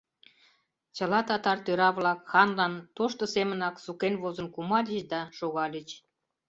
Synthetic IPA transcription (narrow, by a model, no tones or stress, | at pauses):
t͡ɕə̆lɑt̪ɑt̪ɑrt̪øɾɑβlɑkxɑnlɑnt̪oʃt̪ə̆semə̆nɑksukenβozə̆nkumɑlʲət͡ɕd̪ɑʃoɣɑlʲət͡ɕ